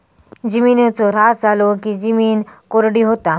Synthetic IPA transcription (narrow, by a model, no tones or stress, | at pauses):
d͡ʑiminet͡sɔɾad͡zalɔkid͡ʑimiːnkoɾɽiɦot̪a